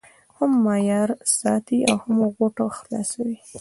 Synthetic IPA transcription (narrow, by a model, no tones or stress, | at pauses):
hamːɑjɑɾsɑt̪iawhamɣoʈoxlɑ̰sawi